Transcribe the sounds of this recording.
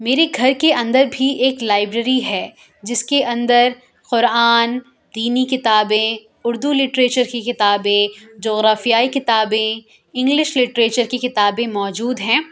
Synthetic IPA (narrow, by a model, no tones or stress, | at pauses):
meːɾeɡʱɐɾkeʔɐ̃nd̪əɾbʱieːklaːɪbɾəɾiɦɛː | d͡ʒɪskeʔɐ̃nd̪əɾ | qʊɾaaːn | d̪iːnikɪt̪aːbẽ | ʊɾd̪ulɪʈɾeːt͡ʃəɾkikɪt̪aːbẽd͡ʒoːɣɾaːfijaːikɪt̪aːbẽ | ɪ̃ŋɡlɪʃlɪʈɾeːt͡ʃəɾkekɪt̪aːbẽmɔːd͡ʒuːd̪ɦɛ̃ː